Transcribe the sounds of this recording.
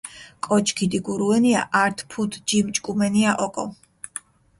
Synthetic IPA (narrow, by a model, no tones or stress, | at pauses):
kʼɔt͡ʃʰʼkʰid̪iɡuɾuɛniaʔaɾt̪ʰpʰut̪ʰd͡ʒimt͡ʃʼkʼumɛniaʔɔkʼɔ